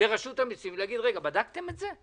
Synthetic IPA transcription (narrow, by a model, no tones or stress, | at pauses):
eʁaʃut̪amisimleaɡid̪ʁeɡabad̪akt̪e̞metze